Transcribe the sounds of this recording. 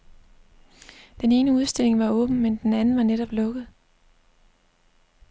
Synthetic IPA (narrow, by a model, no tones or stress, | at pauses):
d̥ene̝ːnəuð̞ˠsd̥e̝le̝ŋʋɑ̈ɔ̽ːb̥n̩mend̥enænn̩ʋɑ̈neɾ̥ɒ̽b̥lɔ̽ɡ̥ð̞̩ˠ